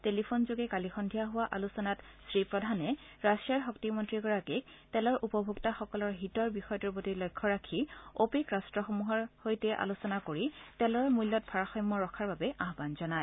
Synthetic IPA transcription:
telipʰonzoɡɛkalixɔndʱijaɦʊwaʔalusɔnat | sɹipɹɔdʱanɛ | ɹasiaɹxɔktimɔntɹiɡɔɹaketɛlɔɹʔupɔbʱuktaxɔkɔlɔɹɦitɔɹbixɔjɔtɔɹpotilɔjkʰːɔɹakʰiopikɹastɹɔxɔmuɦɔɹhojtɛʔa̰lusɔnakoɹitɛlɔɹmujlːɔt̚pʰaɹaxɔjmːɔɹɔkʰaɹbabɛʔaɦbanzɔnaj

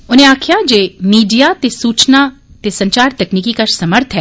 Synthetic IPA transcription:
ʊnẽaːkʰijad͡ʒeːmiːɖijat̪esuːt͡ʃna | t̪esɐ̃ɲt͡ʃaːɾt̪ɐkniːkikasɐməɾt̪ʰɦɛː

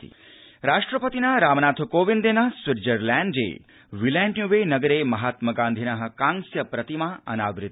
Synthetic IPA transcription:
ɾaʂʈɾəpət̪inaɾamnat̪ʰkoʋind̪enasʋɪɾd͡ʒəɾlɛ̃ɳd͡ʒḛ | ʋilaɳʈnjuʋenəɡəɾeməɦat̪məɡãnd̪ʱinəɦə̆kãŋsjəpɾət̪imaə̰naʋɾɪt̪ː

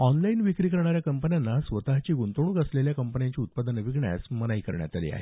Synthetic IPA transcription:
ɔnlainʋikɾikəɾɳaɾjakəmpənjanːasʋət̪aɦt͡ɕiːɡunt̪oɽ̃ũːɡəsleljakəmpənjãɲt͡ɕiːut̪̚pad̪ənəʋiɡɳja̰smənaikəɾɳja̰t̪alḭːa̰ɦe

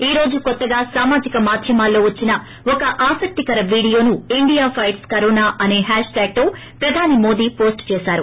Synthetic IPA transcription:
iːɾo̞ːd͡ʒukɔt̪ːɐɡaːsaːmaːd͡ʒikɐmaːd̪ʱjɐmaːlːo̞ːʋɐt͡ʃːinɐ | ɔkɐʔaːsɐk̚t̪ikɐɾɐʋiːɽijo̞ːnuiɳɖijaːpʰɐjʈskɐɾoːnaːʔɐne̞ːɦaːʂʈaːɡ̚t̪oː | pɾɐd̪ʱaːnimo̞ːd̪iːpo̞ːsʈt͡ʃeːsaːɾu

